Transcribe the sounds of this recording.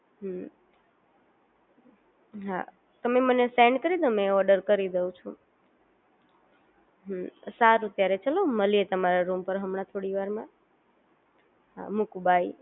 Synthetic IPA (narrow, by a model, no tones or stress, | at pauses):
ɦ | ɦa̰ | t̪əmemənesɛɳɖkəɾid̪omẽɔɾɖəɾkəɾid̪eũt͡ʃʰũ | ɦmsaɾut̪jaɾet͡ʃəloməliet̪əmaɾaɾumpəɾɦəmɳat̪ʰoɽiʋaɾmã | ɦa̰mukubai